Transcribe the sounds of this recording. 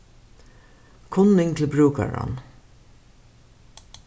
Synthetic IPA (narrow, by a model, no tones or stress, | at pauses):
kʰʊnɪŋt̪ʰɪlbɾʉːkaɹɑ̰n